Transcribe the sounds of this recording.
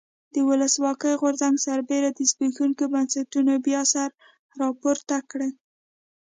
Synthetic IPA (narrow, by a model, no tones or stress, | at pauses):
d̪̥əwʊləswɑkəjɣoɾzaŋɡsaɾbeɾad̪əzbixuŋkobansatunobjɑsaɾ | ɾɑpoɾt̪akɽe